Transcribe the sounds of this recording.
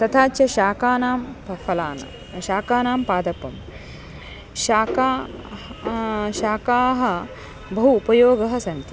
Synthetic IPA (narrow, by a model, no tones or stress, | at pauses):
t̪ɐt̪ʰaːt͡ʃjɐʃaːkaːnaːmpɐfʰɐla̰ːnɐ̰ | ʃaːkaːnaːmpaːd̪ɐpɐm | ʃaːkaː | ʃaːkaːɦɐ̆ | bɐɦuːpɐjoːɡɐɦɐ̆sɐnt̪i